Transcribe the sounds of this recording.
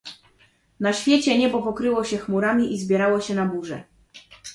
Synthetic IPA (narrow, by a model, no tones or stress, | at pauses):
naɕfʲjɛt͡ɕɛɲɛbɔpɔkɾɘwɔɕɛxmuɾamʲiʔizbʲjɛɾawɔɕɛnabuʐɛ̰